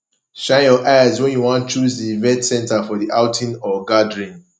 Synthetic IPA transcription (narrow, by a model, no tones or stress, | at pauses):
ʃãɪ̃njɔʔajzwɛ̃njuwãntt͡ʃuzdivɛ̃ntsɛ̃ntafɔðiʔaʊtʰĩnɔɡadɹĩn